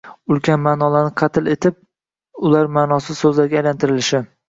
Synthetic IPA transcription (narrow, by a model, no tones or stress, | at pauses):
ʊlˠkʲanmaːnɒlaɾnɪqʰɑt̪ʰɪlet̪ʰɪp̚ | ʊlaɾmaːnɒsɪzsɵzlaɾɡʲajlant̪ʰɪɾɪlɪʃɪ